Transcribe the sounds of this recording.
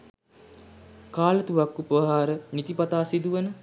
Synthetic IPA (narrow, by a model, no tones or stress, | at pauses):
kaːlət̪uʋakːupəɦaːɾənit̪ipat̪aːsid̪uʋənə